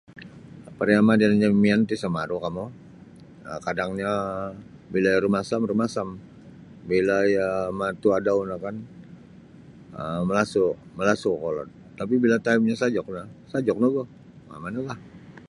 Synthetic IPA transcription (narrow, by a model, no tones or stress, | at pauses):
apaɾiamadiand͡ʒamiant̪isamaɾukamɔ | əkadaŋɲa | bilajɾumasamɾumasam | bilajəmat̪uadaunakan | əməlasʊməlasukolɔ̰t̪ | t̪ːap̬ibilat̪aib̚ɲasad͡ʒɔk̚nasad͡ʒɔk̚noɡɔ | ma̰manalah